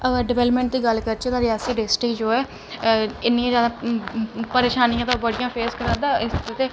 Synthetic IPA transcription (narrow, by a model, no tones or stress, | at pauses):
əɡəɾɖɪʋɛːləpmɛ̃ːɳʈ̚d̪iːɡəlkəɾt͡ʃeːt̪ãːɾɪjaːsiːɖɪsʈeːd͡ʒoːɛː | ɪnːiːãd͡ʒaːd̪aː | pəɾeːʃaːnijãːt̪abəɽijãːpʰeːskəɾãnd̪aːɪsɾot̪eː